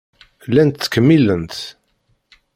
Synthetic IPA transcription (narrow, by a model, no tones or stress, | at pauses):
lːænt̪ːkːəmːilənt̪